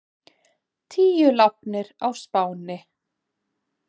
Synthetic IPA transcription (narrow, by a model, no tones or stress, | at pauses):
t̪ʰiːjʏlap̚nɪɾawspaːwnɪ